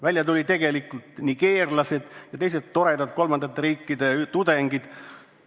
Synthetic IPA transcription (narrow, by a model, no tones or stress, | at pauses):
vælʲjɑt̪ulʲit̪e̞ɡ̥e̞likult̪niɡ̥e̞ːrlɑsed̪̥jɑt̪ejset̪ːo̞ɾe̞d̪ɑd̪̥ko̞lmɑnd̪ɑt̪ːeɾiːkːid̪e̞t̪ud̪e̞ŋɡ̥id̪̥